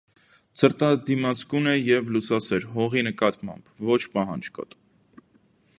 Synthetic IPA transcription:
t͡sʰəɾt̪ɑd̪imɑt͡sʰkunɛjɛvlusɑsɛɾɦɔʁinəkɑt̪mɑ̰mbvɔt͡ʃʰpɑɦɑnd͡ʒkɑ̰t̪u

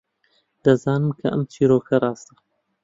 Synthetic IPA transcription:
d̪̥ɐzɑːnɨmkʰɐʔɐ̰mt͡ʃʰiːɾoːkʰɐrˤɑːst̪ɐ̥

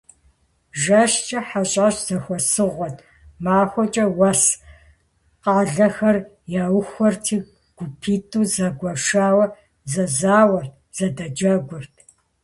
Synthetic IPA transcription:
ʒɐʃt͡ʃʼɐħaɕʼaɕz̥ɐxʷɔsɨʁʷɔtʰʼ | maːxʷɔt͡ʃʼɐwɐs | qaːɮɐxɐr | jaːwxʷɔrtʰiː | ɡ̥ʷʊpʰiːtʰʼuːzɐɡʷɐʃaːwɐ | zɐzaːwɐr | z̥ɐdɐd͡ʒɐɡʷʊrtʰ

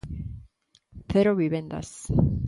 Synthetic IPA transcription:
θeɾoβiβend̪a̰s

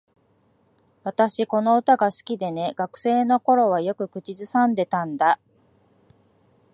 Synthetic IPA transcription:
βat̪aɕiko̞no̞ɯt̪aɡasɨ̥kʲid̪e̞ne̞ɡ̥akɯ̟̥se̞ːno̞ko̞ɾo̞β̞ajo̞kɯ̟kɯ̟t͡ɕizɨsãnd̪e̞t̪ãnd̪a

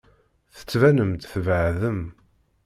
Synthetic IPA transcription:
θə̥t͡sːvænəmt̪θvəʕðəm

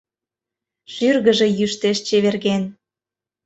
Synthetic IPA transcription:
ʃyrɣəʒe̽jyʃt̪eʃt͡ɕeβerɣen

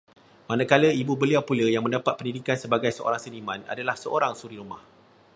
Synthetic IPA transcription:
manãkaləibubəliawpuləjaŋmə̃ndapat̪̚pəndidikansəbaɡajsəʔo̰ɾaŋsənimãna̰dalahsəʔo̰ɾaŋsuɾiɾumah

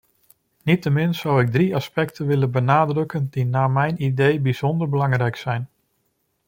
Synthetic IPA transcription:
nitəmɪnsʌwɪɡ̚driɑspɛk̚tʰənʋɪlənbənaːdrɵkəndinaːmɛjnidejbiz̥ɔndəɹbəlɑŋrɛjksɛjn

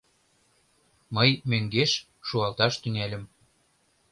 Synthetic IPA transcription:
məjmøŋɡeʃ | ʃuɑlt̪ɑʃt̪yŋelʲə̆m

